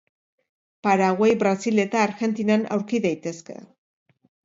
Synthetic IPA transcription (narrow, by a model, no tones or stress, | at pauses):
paɾaɣwejbɾasile̞t̪aːɾxe̞nt̪inana̰wɾkiðajt̪e̞ske̞̰